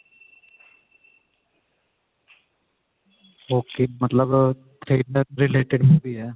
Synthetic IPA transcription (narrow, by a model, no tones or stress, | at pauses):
ɦoːkimɐt̪ləbt̪ɾeːɖəɾɾɪleːʈɪɖmubiɛ